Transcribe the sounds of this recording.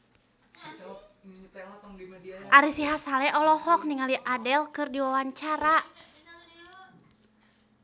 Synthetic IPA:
ʔaɾisiɦasalɛʔɔlɔhɔk̚niŋaliʔadɛlkɨrdiwawaɲt͡ʃaɾa

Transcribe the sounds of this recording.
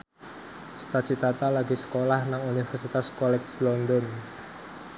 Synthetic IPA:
t͡ʃi̥t̪at͡ʃit̪at̪alaɡisə̥kolahnaŋunifɛrsit̪askɔlɛkslɔnd̪ɔn

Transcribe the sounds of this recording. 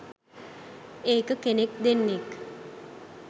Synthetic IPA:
eːkəkenekd̪enːek

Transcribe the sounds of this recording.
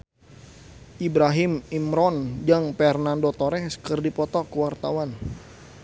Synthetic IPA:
ʔibɾaɦɪmimɾɔnd͡ʒaŋpɛrnandot̪ɔɾɛskərdipɔt̪ɔkəwart̪a̰wan

